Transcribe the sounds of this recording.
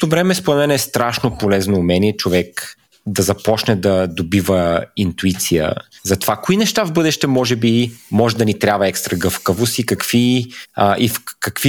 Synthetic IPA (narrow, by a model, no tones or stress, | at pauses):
t̪ovɾɛmɛspoɾɛt̪mɛnɛst̪ɾaʃnopolɛznoːmɛniɛt͡ʃovɛk | d̪ɐzɐpɔt͡ʃnɛd̪ɐd̪obivəint̪uit̪sijə̰zɐt̪ovakoinɛʃt̪avbɤd̪ɛʃt̪ɛmɔʒɛbimɔʒɛd̪ɐnit̪ɾʲabvɐɛkst̪ɾɐɡɤfkəvost̪ikɐkviəʔifkɐkvi